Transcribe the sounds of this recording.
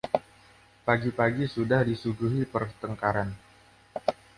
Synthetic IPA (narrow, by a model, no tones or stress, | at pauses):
paɡipaɡisudahdisuɡuɦipərt̪əŋkaɾan